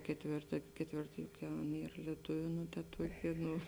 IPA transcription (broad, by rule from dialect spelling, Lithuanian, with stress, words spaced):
kʲɛtʲˈʋʲeːrtɐ kʲɛtʲˈʋʲeːrtɐ jʊk ˈjɛʊ ˈɐn ˈiːr lʲiɛˈtʊʋʲʊ ˈnʊ tɐ ˈtuɔkʲeː ˈnʊ